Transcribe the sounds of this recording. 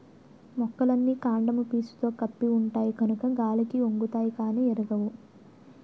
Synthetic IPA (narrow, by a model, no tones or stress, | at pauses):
mɔkːɐlɐnːiːkaːɳɖɐmupiːsu̥t̪o̞ːkɐpːiuɳʈaːjiɡɐnukɐɡaːlikioŋɡut̪aːjikaːniːeɾuɡɐwu